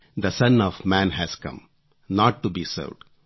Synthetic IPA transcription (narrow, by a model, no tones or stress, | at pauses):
d̪əsʌ̃nɔːʋmæ̃nɦæz̥kʌ̰̃m | nɔːʈːubiːsə̰ːʋɖ